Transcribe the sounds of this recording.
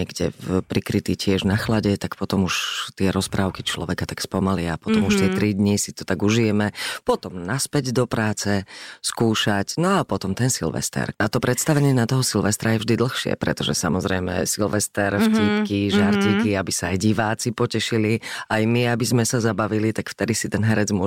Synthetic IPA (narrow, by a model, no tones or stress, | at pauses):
ɲɛɡɟɛpɾikɾit̪iːcɪɛʒnaxlaɟɛt̪akpɔt̪ɔmuʃt̪ɪɛɾɔspɾaːʊkit͡ʃlɔ̰ʋɛkat̪akspɔmaliaapɔt̪ɔmuʃt̪ɪɛt̪ɾid̪ɲisit̪ɔt̪aɡuʒijɛmɛpɔt̪ɔmnaspɛɟd̪ɔpɾaːt͡sɛskuːʃacnɔapɔt̪ɔmt̪ɛnsḭlʋɛ̰st̪ɛ̰ɾat̪ɔpɾɛt̪st̪aʋɛɲɪɛnat̪ɔɦɔsilʋɛst̪ɾajɛvʒd̪id̪l̩xʃɪɛ̰pɾɛ̰t̪ɔʒɛ̰samɔzɾɛjmɛ̰silʋɛst̪ɛɾfciːpkiʒaɾtikiabisaːjɟiʋaːt͡sipɔcɛʃiliajmiabizmɛsazabaʋilit̪akft̪ɛd̪isit̪ɛnɦɛɾɛd͡zmʊɔ